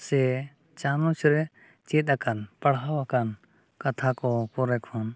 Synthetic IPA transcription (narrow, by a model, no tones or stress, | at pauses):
sɛ | t͡ʃanɔt͡ʃʰɾɛ | t͡ʃit̪̚akanpaɽɦawakan | kat̪ʰakɔpɔɾɛkʰɔn